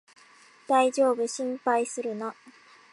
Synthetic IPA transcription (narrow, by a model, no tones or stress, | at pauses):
d̪̥aid͡ʑo̞ːbɯ̟ɕĩmpaisɨɾɯ̟na